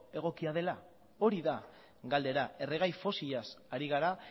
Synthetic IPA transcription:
e̞ɣ̞o̞kiað̞e̞la | o̞ɾiða | ɡald̪e̞ɾaʔe̞re̞ɣ̞ajfo̞siʎasaɾiɣ̞aɾa

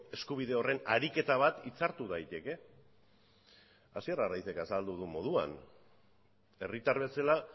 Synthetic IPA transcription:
e̞skuβ̞ið̞e̞o̞re̞naɾike̞t̪aβ̞at̪it͡saɾt̪uðajt̪e̞ke̞ | asierarajθe̞kasald̪uð̞umo̞ð̞ua̰n | e̞rit̪aɾβe̞sala

